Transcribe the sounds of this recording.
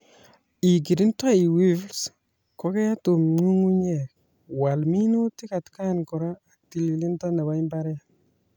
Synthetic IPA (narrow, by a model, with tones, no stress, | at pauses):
i˨k̬i˨ɾi˦nta˦i˨wi˦fls | ko˦ke˦a˦to˨mŋu˦ŋu˦ɲe˨k̚ | wa˨lmi˦nu˦ti˦ka˨tka˦nkɔ˨ɾɔ˦a˨k̚ti˨li˨li˦ntɔ˦ne˨ba˦i˦mba˦ɾɛ˦